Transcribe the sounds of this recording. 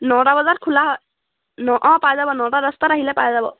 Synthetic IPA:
nɔʈabazaɹkʰulaɦɔj | nɔʔɔ̃pajzabɔnɔtaɾəst̪aɾaɦilɛpajzabɔ̰

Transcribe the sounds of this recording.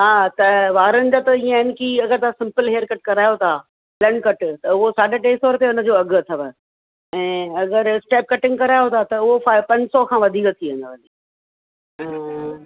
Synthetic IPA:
ɦaːt̪ɐʋaːɾənɪ̆d͡ʑaːt̪ɐĩːə̃ɪnkiɐɡəɾt̪ʰasɪ̃mpəlɦeːəɾkɐʈkɐɾaːjot̪ʰaː | ləɳɖkɐʈt̪ɐʊɦosaːɖaʈeːst̪ɔːɾt̪eʊnə̆d͡ʑoːɐɡt̪ʰɐʋə | ɛ̃ːɐɡəɾsʈɛːp̚kɐʈɪ̃ŋɡkɐɾaːjot̪ʰat̪ɐʊɦofapɐ̃ɲd͡ʑsɔkʰãːʋɐd̪ʱiːkət̪ʰiʋə̃nd̪aːbɐli

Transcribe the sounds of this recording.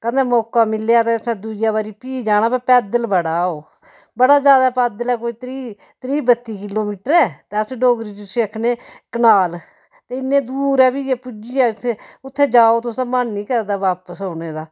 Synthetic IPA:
kənd̪ẽːmɔːkaːmɪlejaːt̪esɛ̃ːd̪ud͡ʒjaːbaːɾiːpiːd͡ʒaːñaːpɛːpɛːd̪əlbəɽaːoː | bəɽaːd͡ʒjaːd̪aːpɛːd̪əlɛːkoːiːt̪ɾiː | t̪ɾiːbət̪ːiːkɪloːmiːʈəɾɛːt̪eəsɖoːɡɾiːt͡ʃʊseəkʰneːkənaːl | t̪eːɪnːẽːd̪uːɾɛːbiːjeːpʊd͡ʒiːaːt̪ʰẽʊt̪ʰːeːd͡ʒaːoːt̪ʊsãːmannĩːkəɾd̪aːʋaːpəsoːneːd̪aː

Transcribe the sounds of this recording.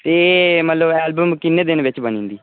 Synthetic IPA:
t̪eːmət̪ləbɛːlbəmkɪnːeːd̪ɪnʋɪt͡ʃbənĩːnd̪iː

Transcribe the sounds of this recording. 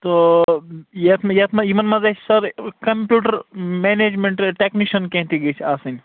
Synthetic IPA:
t̪o | jet̪ʰmjɐt̪ʰmɐjimɐnmɐzet͡ʃʰsɐɾkɐmpjuːʈɐɾmeːneːd͡ʒmẽɳʈʈeːkniʃɐnkẽɦt̪iɡɐt͡ʃʰaːsɨn

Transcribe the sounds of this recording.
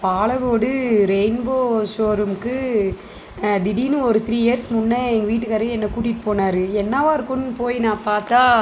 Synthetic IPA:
paːɭɐɣoːɽɯɾɛɪnboːʃoːɾɯmkːɯ | d̪ɪɽiːnɯ̃ɔɾɯt̪ɪɾiːɛjɐɾsmʊnːɐɛŋɡɐʋiːʈːɯkɐɾɐɛnːɐkuːʈ̬ːɪʈːɯpoːnaːɾɯɛnːaːʋaːɪɾɯkːɯnːpoːjnãːpaːɾt̪aː

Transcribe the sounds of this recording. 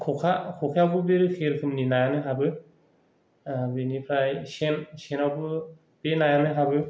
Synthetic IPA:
kʰɔkʰakʰɔkʰawbɯbeɾɯkʰeɾkʰɯmninajanɯɦabɯ | abenipʰɾajsensenawbɯ | b̥enajanɯɦabɯ

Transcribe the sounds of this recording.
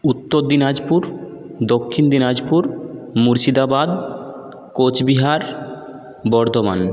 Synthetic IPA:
ut̪ːoɾd̪inad͡ʑpuɾ | d̪okʰːind̪inad͡ʑpuɾmuɾʃid̪abad̪ | kot͡ɕbiɦaɾ | bɔɾd̪oma̰n

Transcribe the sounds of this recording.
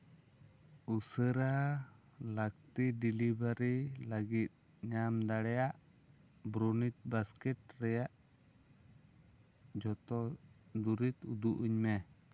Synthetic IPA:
usəɾa | lak̚t̪idilibaɾilaɡit̪̚ | ɲamd̪aɽɛjaʔ | bɾunit̪̚baskɛt̪̚ɾɛjaʔ | d͡ʒɔt̪ɔd̪uɾit̪ud̪uʔuɲmɛ

